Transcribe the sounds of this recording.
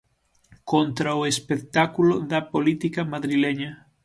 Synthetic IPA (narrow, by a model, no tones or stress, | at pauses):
kont̪ɾaoespek̚t̪akuloðɐpolit̪ikɐmaðɾilɛɲɐ